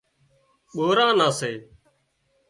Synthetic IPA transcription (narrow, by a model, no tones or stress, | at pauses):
ɓoːɾãːnãːseː